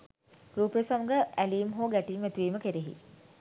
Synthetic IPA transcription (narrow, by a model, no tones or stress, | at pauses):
ɾuːpejəsaməɡəʔæliːmɦoːɡæʈiːmːæt̪iʋiːməkeɾeɦḭ